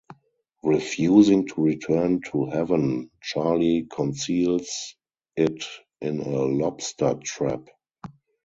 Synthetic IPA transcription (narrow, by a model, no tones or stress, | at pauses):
ɹifjuːzɪ̃ŋtʰuɹitʰɜ˞ntʰuhɛvə̃nt͡ʃalikʰɔ̃nsiːls | ɪt | ʔɪ̃nəlɔpstə˞tʰɹæ̰p